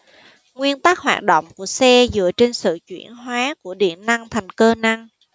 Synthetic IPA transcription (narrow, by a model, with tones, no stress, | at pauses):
ŋwi˧ənt̪a˦˥k̚hwa̰ː˨˩t̚ɗo̰˧˨wŋ͡mku˧˩əsɛ˧zɨ̰˧˨ət͡ɕe˧nsɨ̰˧˨t͡ɕwḭ˧˩ənɦwaː˨˦ku˧˩əɗḭ˧˩ənːa˧ŋt̪ʰa˨˩jŋ̟kəː˧na˧ŋ